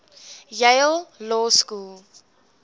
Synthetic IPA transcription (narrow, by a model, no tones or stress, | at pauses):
jeɪlˠlɔːskulˠ